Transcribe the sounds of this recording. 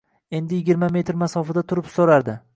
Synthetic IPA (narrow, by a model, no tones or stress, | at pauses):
e̞nd̪ɪjɪɡʲɪɾmame̞t̪ɾmasɒfad̪at̪ʰʊɾɪpsoɾaɾd̪ɪ